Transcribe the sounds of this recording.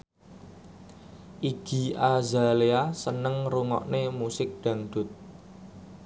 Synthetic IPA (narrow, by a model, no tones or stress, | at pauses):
ʔiɡ̥i̤azaleasənəŋruŋɔ̰ʔnemusɪk̚ɖ̥ä̤ŋɖ̪̥ʊ̤t̪̚